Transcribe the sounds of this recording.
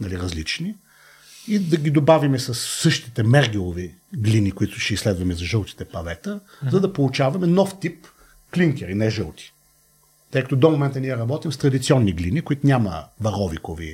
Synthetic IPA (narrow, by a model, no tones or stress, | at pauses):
nɐliɾɐzlit͡ʃni | id̪ɐɡʲid̪obavimɛsɐsːɤʃt̪i̥t̪ɛmɛɾɡʲilˠovi | ɡlinikʊit̪ʊ̥ʃɛislɛd̪vɐmɛzɐʒɤlˠt̪i̥t̪ɛpɐvɛt̪ə | zɐd̪ɐpolˠut͡ʃavɐmɛnɔft̪ip | kliŋkʲɛɾinɛʒɤlˠt̪i̥ | t̪əjkɐt̪od̪omomɛnt̪əniɛɾɐbɔt̪imst̪ɾɐd̪it̪siɔnːiɡlinikʊit̪ʊnʲamə̰vɐɾɔvikovḭ